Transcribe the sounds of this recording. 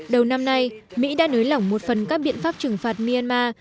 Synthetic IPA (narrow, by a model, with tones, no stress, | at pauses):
ɗə˨˩wna˧mna˧jmḭ˧˥ɗa̰ː˧˥nəː˨˦jla˧˩wŋ͡mmo˨˩t̚fə˨˩nkaː˦˥k̚ɓḭ˧˨ənfaː˦˥p̚t͡ɕɨ˨˩ŋfaː˨˩t̚mi˧a˧nmaː˧